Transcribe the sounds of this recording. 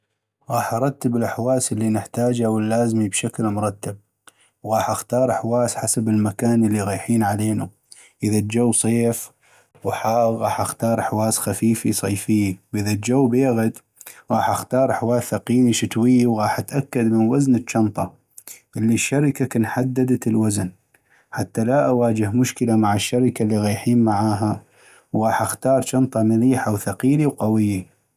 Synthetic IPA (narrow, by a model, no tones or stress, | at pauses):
ɣɑːħʔɑɾˤɑt̪ːɪbɪlʔaħwaːslːinɪħt̪aːd͡ʒawɪlːaːzmibʃaklmʊɾˤɑt̪ːab̚ | wɣɑːħʔaxt̪ɑːɾˤʔħwaːsħasabɪlmakaːnʔəlːiɣaːħiːnʕaleːnu | ʔɪðad͡ʒawːsˤeːf | wħaːɣɣɑːħʔaxt̪ɑːɾˤħwaːsxafiːfisˤɑjfɪjːiwʔɪðad͡ʒawːbeːɣɪd̪ | ɣɑːħʔaxt̪ɑːɾˤʔħwaːθaqiːniʃɪt̪wɪjːiwɣɑːħʔat̪ʔakːad̪mɪnwaznət͡ʃːɑnt̪ˤɑ | ʔɪlːiʃːaɾɪkakanħad̪ːad̪at̪ɪlwazn | ħat̪ːalaʔawaːd͡ʒɪhmʊʃkəlamaʕaʃːaɾɪkalːiɣajħiːnmaʕaːɦa | wɣɑːħʔaxt̪ɑːɾˤt͡ʃɑnt̪ˤɑmaliːħawθaqiːliwqɑwɪjːi